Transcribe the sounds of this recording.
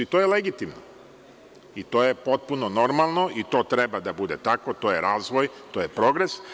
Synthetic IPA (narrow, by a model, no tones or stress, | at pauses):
it̪oːjeleɡit̪imno̰ | it̪o̞ːjepo̞t̪̚punono̞ɾmalˠno̞it̪o̞ːt̪ɾebad̪abud̪e̞t̪akot̪oːjeɾaːzʋojt̪oːjepɾo̞ɡɾes